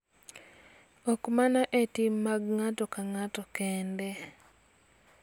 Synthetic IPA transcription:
ɔkmanaʔetimːaɡŋatɔkaŋatɔkɛndɛ

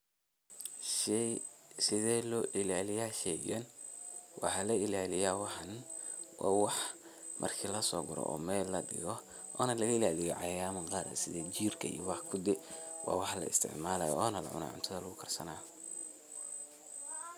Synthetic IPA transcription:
ʃɛsɪðɛlɔːʔɪlaːlɪjaːʃɛjɡɐnwʔɑ̰ħɑlɐɪlaːlɪjaːwɑħɑn | wɑ̰ːwɑħ | mʔɐ̰rkʰiːlɐsɔːɡʊɾɔ̰ʔɔ̰ːmɛːlːɐdɪ̰ɣɔ | ʔɔːnɐlɐɣɐɪlaːlɪjɐʕɑjaːmɐqɑːɾɐ̰sɪðɛt͡ʃiːrkʰɐḭjɔwɑħkʰʊd̪ɛwɑ̰ːwɑħlɐ̰ɪ̰st̪ʰɪ̰ʕmaːlɐ̰jɔ̰ːnɐlɐ̰ʕʊ̰na̰ːʕʊ̰nt̪ʰɐðɐlʊɣʊkʰɐrsɐnaː

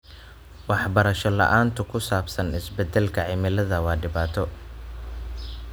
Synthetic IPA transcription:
wɑħbɐɾɐʃɔlɐ̰ʔaːnt̪ʰʊkʰʊsaːbsɐnɪsbɛd̪ɛlkʰɐʕɪmɪlɐðɐwɑːɖɪβaːt̪ʰɔ

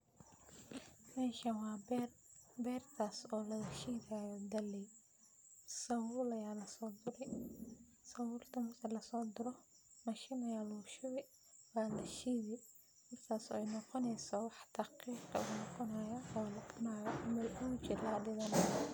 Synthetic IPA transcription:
mɛːʃɐwɑː | bɛːrt̪ʰaːsɔːlɐɣɐʃiːðajɔd̪ɐlɛ | sɐwʊːlɐjaːlɐsɔːd̪ʊɾɪ | sɐwʊːlt̪ʰɐmɐrtʰɐlɐsɔːd̪ʊɾɔ | mɐʃɪnɐjaːluʃɪβɪ | waːlɐʃiːðɪ | mɐrkʰaːsɔɛjnɔqɔnɛjsɔwɑħt̪ʰɑqiːqɐuʊnɔqɔnɐjɐɔːlɐkʊnaːjmɐʔʊt͡ʃɪɾaɐɖɪɣɐnɐjɐ

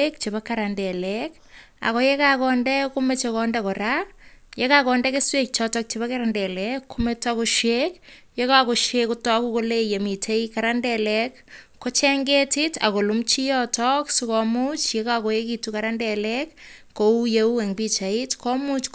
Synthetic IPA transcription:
ek̚t͡ʃebakːaɾandɛlɛk | a̰kɔjekakɔndɛkumet͡ʃekɔndɛkɔɾa | jekakɔndɛkeswek̚t͡ʃɔtɔk̚t͡ʃebakaɾandɛlɛkːumetakuʃwek | jekakoʃekutɔkukolejemitʰeikaɾandɛlɛkː | ot͡ʃɛŋɡetita̰kolumt͡ʃijɔtʰɔksukɔmut͡ʃjekakojekitukaɾandɛlɛkː | oujeueŋbit͡ʃaitkɔmut͡ʃk

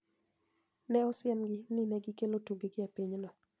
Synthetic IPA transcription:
nɛɔsɪɛnɡɪnɪnɛɡɪkelotuɡeɡɪapiɲnɔ

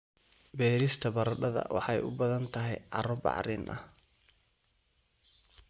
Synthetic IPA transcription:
bɛːɾɪst̪ʰɐbɐɾɐɖɐðɐ̰wɑ̰ħɑjʊ̰bɐðɐnt̪ʰɐɦɛjʕɑ̰ɾɔbɑ̰ʕɾiːnʔɐ̰h

